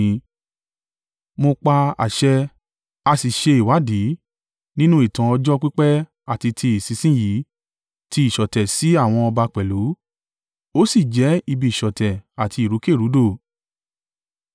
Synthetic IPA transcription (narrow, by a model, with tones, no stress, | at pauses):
mo˧k͡pa˧a̰˨ʃɛ˧ | a˧si˨ʃe˧i˨wa˨˦di˨˦ | nĩ˦nũ˦i˦˨tã˨ɔ˧d͡ʒɔ˦k͡pi˦k͡pɛ˦ | a˦˨ti˧tʰi˧i˨si˨˧˦sĩ˦ji˨˦ | ti˧˦i˨ʃɔ˨tɛ˨si˨˦a˦˨w̃ɔ̃˧ɔ˧ba˧k͡pɛ˨lu˨˦ | o˦si˦˨d͡ʒɛ˨˦i˧bi˨i˨ʃɔ˨tɛ˨a˨ti˧i˨ɾu˨˦ke˦˨ɾu˨˦do˦˨